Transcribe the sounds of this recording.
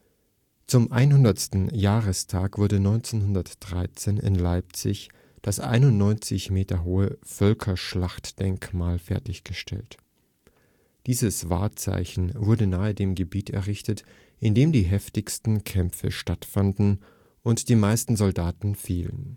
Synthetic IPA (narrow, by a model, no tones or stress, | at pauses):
t͡sʊmʔa̰ɪnɦʊndɐstn̩jaːʁəstʰaːkv̥ʊɐdənɔʏnt͡seːnɦʊndɐtd̥ʁaɪt͡seːnɪ̰nlaɪp̚t͡sɪ̰ç | d̥asʔa̰ɪnʊntnɔʏnt͡sɪçmeːtɐɦoːəfœlkʰɐʃlaχtd̥ɛŋkmaːlfɛɐtɪçɡ̥əʃtʰɛ̰lt | d̥iːzəsv̥a̰ːɐt͡sa̰ɪçn̩vʊɐdənaːədeːmɡəbiːtɛ̰ɐʁɪçtət | ʔɪndeːmdiːɦɛftɪçstn̩kʰɛmfə̰ʃtatfandn̩ | ʔʊntd̥iːmaɪstn̩zɔldaːtn̩fiːlə̰n